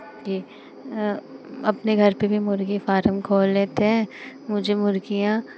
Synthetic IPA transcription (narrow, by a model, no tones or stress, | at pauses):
d͡ʒi | ɐpneɡʱɐɾpebʱimʊɾkefaːɾəmkʰoːlːeːt̪eɦɛ̃ːmʊd͡ʒʱemʊɾkijã